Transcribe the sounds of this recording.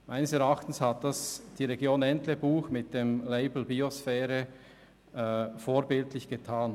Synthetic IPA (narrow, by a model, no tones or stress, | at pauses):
maɪnəsɛɾaχtn̩shat̚d̥asd̥iːʁeɡjoːnɛntlebuːxmɪt̚d̥emleɪbl̩biosfɛːɾə | ɛfoːɾbɪltʰlɪçɡ̥etʰaːn